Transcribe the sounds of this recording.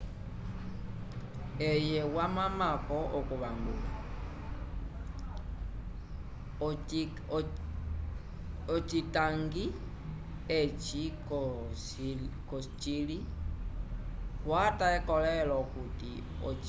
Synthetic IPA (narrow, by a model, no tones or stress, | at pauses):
ejɛwamamakɔʔokuβaŋɡṵla | ot͡ʃitaŋɡi | et͡ʃi | kost͡ʃili | wataɛkɔlɛlɔkutḭ | o̰